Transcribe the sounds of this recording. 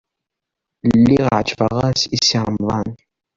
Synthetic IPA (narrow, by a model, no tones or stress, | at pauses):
lːiʁʕt͡ʃfaʁasisːiɾˤəmðˤɑn